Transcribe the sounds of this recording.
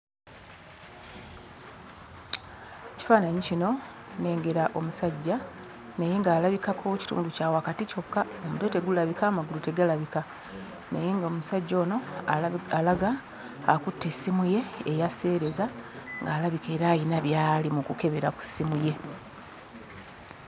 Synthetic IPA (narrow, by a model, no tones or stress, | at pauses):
eci̥faːnaɲicino̞ | ne̞ːŋɡe̞ɾaʔo̞musaɟːa | ne̞je̞ŋɡaːlaβikakʰo̞ci̥tṵːnducaːwakatico̞kːaomude̞te̞ɡulaβikaːmaɡulute̞ɡalaβika | ne̞̰je̞ŋɡaomusaɟːo̞ːno̞ | alaɡaː | kutːe̞simuje̞ːjase̞ːɾe̞zaŋɡaːlaβike̞ːɾaːjinaβjaːlimukuke̞βe̞ɾaku̥simuje̞